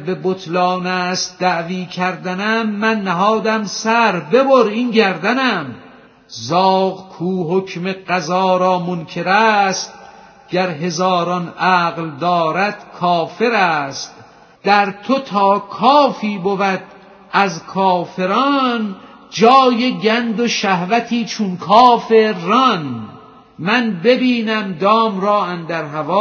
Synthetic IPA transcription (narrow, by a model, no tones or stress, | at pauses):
be̞bot̪ʰlɒːnæːst̪̚d̪æʔviːkʰæɾd̪ænæmːænːæɦɒːd̪æmsæɾbe̞boɾiːnɟæɾd̪ænæm | zɒːɣkʰuːɦokʰmeɢæzɒːɾɒːmonkʰe̞ɾæːst̪̚ | ɟ̥æɾɦe̞zɒːɾɒnʔæːɣld̪ɒːɾæd̪̥kʰɒːfe̞ɾæːst̪ | d̪̥æɾt̪ʰot̪ʰɒːkʰɒːfiːbovæd̪̚ | æzkʰɒːfe̞ɾɒːn | d͡ʒɒːjeɟænd̪oʃæhvæt̪ʰiːt͡ʃʰunkʰɒːfeːɒn | mænbe̞biːnæmd̪ɒːmɾɒːænd̪æɾɦævɒː